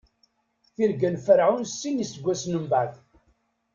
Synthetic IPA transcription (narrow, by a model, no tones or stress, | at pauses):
θiɾɡənfəɾʕunsːinisəɡʷːæsnəmbæθ